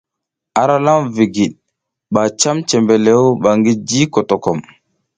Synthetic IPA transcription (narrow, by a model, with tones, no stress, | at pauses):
a˨ɾa˦la˦mvi˨ɡi˨ɗ̚ | ɓa˨t͡ʃa˦mt͡ʃe˨mbe˨le˦wɓa˨ŋɡi˦d͡ʒi˦ko˨to˨kɔ˨m